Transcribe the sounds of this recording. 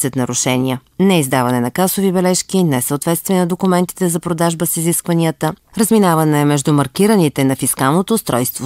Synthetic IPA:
sət̪nɐɾuʃɛniə | nɛizd̪avɐnɛnɐkasovibɛlɛʃkinɛsəʊt̪vɛt̪st̪vɛnɐd̪okʊmɛnt̪i̥t̪ɛzɐpɾod̪aʒbəsiziskvɐniət̪əɾəzminavənɛɛmɛʒd̪umɐɾkiɾənit̪ɛnɐfiskalˠnot̪oːst̪ɾɔjst̪vo

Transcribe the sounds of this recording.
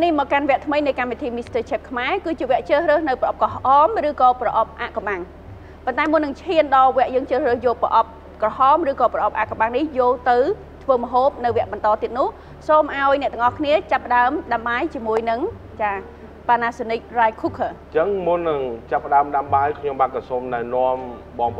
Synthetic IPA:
nihmɔːkanʋɛ̆əʔt̪ʰməjnɨjkamʋit̪ʰiːmist̪əːt͡ɕʰɛːp̚kʰmaɛkɨːt͡ɕiəʋɛ̆əʔt͡ɕəːhrəːhnɨwprɑʔp̚kɑɦʔɑːmrɨːkɑːprɑʔɑp̚ʔaʔkɑmɓaŋ | pont̪aɛmʊnːɨŋt͡ɕʰhiənɗɑːʋɛ̆əʔjəːŋt͡ɕəːhrəːhjoːlprəʔɑp̚ | krɑɦɑːmrɨːkɑːprɑʔɑp̚ʔa̰ʔkɑmɓaŋnihjolt̪ɨw | t̪ʰʋəːmə̆ɦoːp̚nɨwʋɛ̆əʔɓɑnt̪ɑːt̪iət̪nʊ̆əh | soːmʔaɔjnɛ̆ʔt̪ʊəŋʔɑhkʰniət͡ɕapːə̆ɗaəmɗamɓajt͡ɕiəmuəjnɨŋ | t͡ɕaː | paːnaːsenik̚rajkʰukʰə | t͡ɕəŋmʊnːɨŋt͡ɕapːəɗaəmɗamɓajkʰɲomɓaːt̪̚kɑsomɗaɛnoəmɓɑːŋp

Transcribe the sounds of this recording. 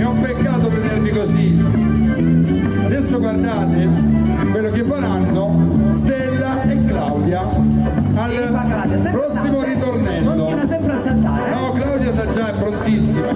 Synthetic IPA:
meɔpːekːaːt̪oved̪ermikozi | ad̪ɛsːoɡward̪aːt̪ɪpelːok̟evːaɾanːost̪elːaekːlawd̪ja | al | pɾɔsːimoɾit̪ornɛnt̪oɛmp̪ | nɔklawd̪jasad͡ʒːaɛpːɾont̪isːima

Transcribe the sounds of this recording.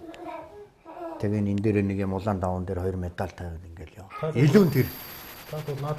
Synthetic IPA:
t̪ʰeɣeːnent̪eːɾeːneɣeːmʊɮaːnt̪awʊːnt̪eːrχɔjɞ̆rmet̪aɬt̪ʰæweːt̪iŋɡeːɮjʊweɮuːnt̪ʰer

